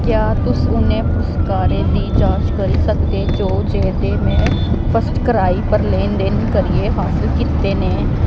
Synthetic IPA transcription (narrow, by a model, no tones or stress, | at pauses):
kjaːt̪ʊsʊnẽːpʰʊskaːɾeːnĩːd͡ʒãːt͡ʃkəɾiːsəkd̪eːd͡ʒoːd͡ʒeːd̪eːmɛ̃ːpʰəsʈkəɾaːiːpəɾleːnd̪eːnkəɾieːɦaːsɪlkiːt̪ːeːnẽː